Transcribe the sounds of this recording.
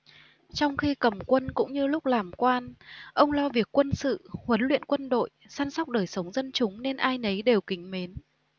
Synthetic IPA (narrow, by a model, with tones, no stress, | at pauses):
t͡ɕɔ˧wŋ͡mxi˧kə˨˩mkwə˧nkʊ̰˧˥ŋ͡mɲɨ˧lʊ˦˥k͡p̚laː˨˩mkwaː˧nʔə˧wŋ͡mlɔ˧vi˨˩əkːwə˧nsɨ̰˧˨hwə˨˦nlwḭ˧˨ənkwə˧nɗo̰˧˨jsa˧nsa˦˥k͡p̚ɗəː˨˩jsə˨˦wŋ͡mzə˧nt͡ɕʊ˨˦ŋ͡mne˧nʔaː˧jnə˨˦jɗe˨˩wkï˨˦ŋ̟me˨˦n